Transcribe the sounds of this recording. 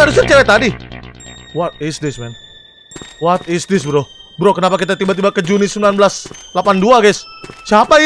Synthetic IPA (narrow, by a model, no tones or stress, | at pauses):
adusərt͡ʃawɛt̪adi | wat̪̚isdɪsmɛn | wat̪̚isdɪsbəɾɔhbɾokənapakit̪at̪ibat̪̬ibakəd͡ʒunisəmbilanbəlaslapanduaɡɛssiapai